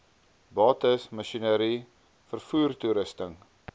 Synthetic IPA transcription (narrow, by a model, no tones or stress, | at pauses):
bɑːtəsmɐʃinəɾi | fərfuːrtuɾəstəŋ